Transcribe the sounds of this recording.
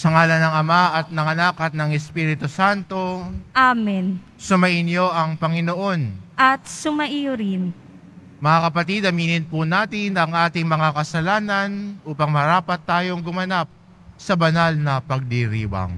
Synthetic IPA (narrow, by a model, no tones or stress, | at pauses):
sɐŋaːlɐnɐŋɐmaʔɐt̪̚nɐŋɐnakɐt̪̚nɐŋɛspiːɾɪt̪osant̪o̞ʔaːmin | sʊmɐʔɪnjoʔɐŋpɐŋɪno̞ʔo̞nʔɐt̪̚sʊmɐʔijʊɾɪn | mɐŋakɐpɐt̪id̪ɐmiːnɪnpunaːt̪ɪnɐŋʔaːt̪ɪŋmɐŋakɐsɐlaːnɐnʔuːpɐŋmɐɾaːpɐt̪ːaːjo̞ŋɡʊmɐnap̚ | sɐbɐnalnɐpɐɡ̚d̪iɾḭːwɐ̰ŋ